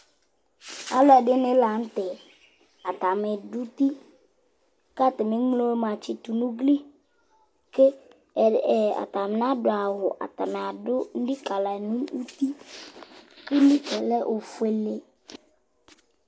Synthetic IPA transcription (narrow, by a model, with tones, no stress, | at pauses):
a̰˨lɔ˦ɛ˨dɪ˦nɪ̃˦la˨n̩˦t̪ɪ˨ | a˨t̪a˨mɪ˨dʊ˦t̪i˦ | ka˦t̪ɪ˨mɪ˨˦ŋ͡mlo˦mã˨t͡ɕɪ˦t̪u˨nũ˦ɡli˦ | ke˦˨ | a̰˨t̪a˨m˨nã˦dʊ˨a˨wʊ˨ʔa̰˨t̪a˨mɪ˨a˨dʊ˦n̩˦di˦ka˨la˨nũ˦nu˦t̪i˦ | kɪ˦li˦kɛ˨lɛ˦ʔo˨fe˨le˨